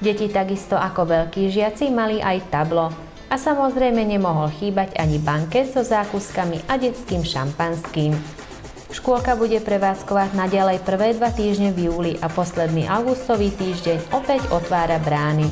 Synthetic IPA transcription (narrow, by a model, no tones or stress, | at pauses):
ɟɛcit̪aɡist̪ɔʔakɔʋɛʎkiːʒɪat͡simaliʔajt̪ablɔ | ʔasamɔzɾɛjmɛɲɛmɔɦɔlxiːbaɟaɲibaŋkɛzɔzaːkuskamiʔaɟɛt͡skiːmʃa̰mpanskiːm | ʃkʊɔlkabuɟɛpɾɛʋaːt͡skɔʋaɟnaɟalɛjpr̩ʋɛːd̪ʋat̪iːʒɲɛvjuːliʔapɔslɛd̪nḭːʔaʊɡust̪ɔʋiːt̪iːʒɟɛɲɔpɛɟɔt̪ʋaːɾabɾaːni